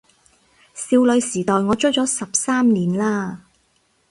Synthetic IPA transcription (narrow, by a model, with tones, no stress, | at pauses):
siː˧wlɵ˨˧ɥsiː˨˩t̪ɔː˨jŋɔː˨˧t͡ʃɵ˥t͡sɔː˨˥sɐ˨p̚saː˥mniː˨˩nlaː˥